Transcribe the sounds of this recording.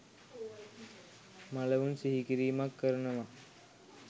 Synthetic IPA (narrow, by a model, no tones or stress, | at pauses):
maleunsiɦikiɾiːmakːəɾnəʋa